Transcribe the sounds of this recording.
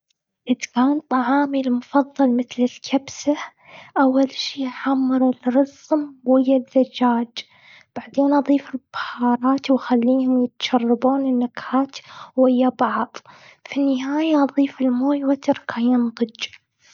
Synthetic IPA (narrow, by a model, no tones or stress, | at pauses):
ʔɪt̪ɡant̪ˤɑʕɑːmilmʊfɑðˤːɑlmɪθlɪlkʰabsa | ʔawːalʃiːħamːɑɾɪlɾɑsmwɪjːaðːad͡ʒaːd͡ʒ | b̥aʕd̪eːnʔɑðˤiːfɪlbḁhɑːɾˤɑːt̪wxalːiːhʊmjɪt̪ʃɑrˤːɑbuːnɪnːakhaːt̪whɪjːabɑʕðˤ | finːɪɦaːjaʔɑðˤiːfɪlmoːjwat̪ɪɾˤkʰajɪmd̪ˤɨd͡ʒ